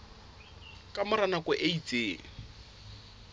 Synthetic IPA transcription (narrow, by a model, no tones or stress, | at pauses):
kʼamʊɾanakʊʔeit͡sʼeː